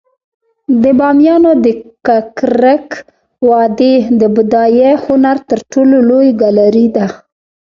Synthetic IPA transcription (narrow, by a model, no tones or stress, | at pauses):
d̪əbɑmjɑnod̪əkakɾək | wɑd̪ed̪əbʊd̪ɑjehʊnaɾt̪əɾʈololojɡalaɾid̪a